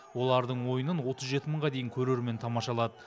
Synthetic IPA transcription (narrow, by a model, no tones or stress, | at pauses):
wo̞lˠɑɾd̪əɴwo̞jənənwo̞t̪əzʒe̞t̪ɪməɴʁɑd̪e̞jɪŋkʲʰɵɾe̞ɾme̞nt̪ʰɑmɑʃɑlˠɑd̪ə